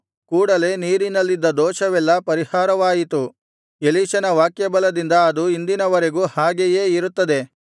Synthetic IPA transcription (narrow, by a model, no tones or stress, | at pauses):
kuːɽɐle̞niːɾinɐlːid̪ːɐd̪ɔːʃɐʋɛlːɐpɐɾihaːɾɐʋaːjit̪u | eliːʃɐnɐʋaːkjɐbɐlɐd̪ind̪ɐːd̪uind̪inɐʋɐɾeɡuːhaːɡejeːiɾut̪ːɐd̪e̞